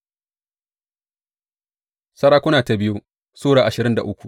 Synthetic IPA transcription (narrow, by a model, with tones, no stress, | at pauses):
sɐ˦ɽaː˦kʷʊ˦naː˨ta˨bɪ˦ju˦ | suː˦ɽaː˨ʔa˨ʃɪ˨ɾɪ˦nda̰˨ʔʊ˦kʷu˨ʔ